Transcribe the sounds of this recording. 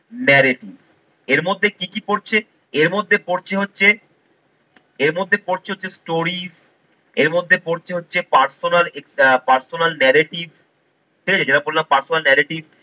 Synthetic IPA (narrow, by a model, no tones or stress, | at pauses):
nɛɾeʈiv | eɾmod̪ʱːekikipoɾt͡ɕʰe | eɾmod̪ʱːepoɾt͡ɕʰeɦotːɕʰe | eɾmod̪ʱːepoɾt͡ɕʰeɦotːɕʰesʈoɾiz | eɾmod̪ʱːepoɾt͡ɕʰeɦotːt͡ɕʰepaɾsonalekspaɾsonalnɛɾeʈibʱ | pekeed͡ʑeʈabollampaɾsonalnɛɾeʈib